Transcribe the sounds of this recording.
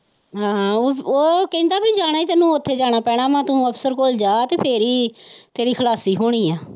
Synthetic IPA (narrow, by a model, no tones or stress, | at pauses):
ɦãːoːkɛ̃nd̪aːbid͡ʒaːɽ̃aːiːt̪ɛːnũːʊt̪ʰːeːd͡ʒaːɽ̃aːpɛːɽ̃aːʋãːt̪ũːəpʰsəɾkoːld͡ʒaːt̪eːpʰeɾiːt̪eːɾiːkʰəlaːsiːɦoːɽ̃iːaː